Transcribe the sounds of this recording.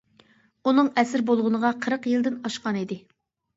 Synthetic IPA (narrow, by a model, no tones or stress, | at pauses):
unɨŋɛsɪɾbolˠʁʊnəʁɑqʰəɾəqjɨlˠd̪ɪnɑʃqɑnid̪ɪ